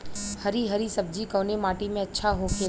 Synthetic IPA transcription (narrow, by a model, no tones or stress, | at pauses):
hɐɾiɦɐɾisɐb̚d͡ʒikɔːnemaːʈimẽɐtːʃʰaɦokʰeː